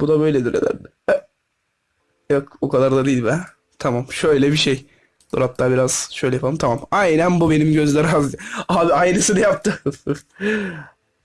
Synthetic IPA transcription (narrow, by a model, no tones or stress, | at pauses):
bud̪abø̞jlʲed̪iɾned̪æ̰n | jokokʰad̪aɾd̪ad̪ejilʲbæn | t̪ʰamamʃøjlʲɛbiʃej | d̪o̰ɾap̚t̪ʰabiɾaz̥ʃø̞jlʲɛjapaɯmt̪ʰamamajnænbube̞nimɟø̞zlʲɛɾazaːbiajɾɯsɯnjap̚t̪ʰɯ